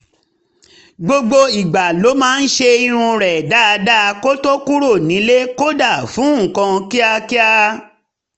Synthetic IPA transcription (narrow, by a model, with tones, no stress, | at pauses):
ɡ͡bo˧ɡ͡bo˧i˨ɡ͡ba˨lo˨˦mãː˦˧n̩˦ʃe˧i˧ɾ̃ũ˧ɾɛ˨da˦˧da˦˧ko˦to˦ku˦ɾo˦˨nĩ˨˦le˦ko˦da˦˨fũ˨˦˨kã˧ki˦a˧ki˦a˧